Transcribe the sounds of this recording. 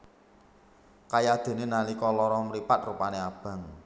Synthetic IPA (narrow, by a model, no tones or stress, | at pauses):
kajad̪̥e̤nenalikɔlɔɾɔmɾipat̪̚rupaneab̥ä̤ŋ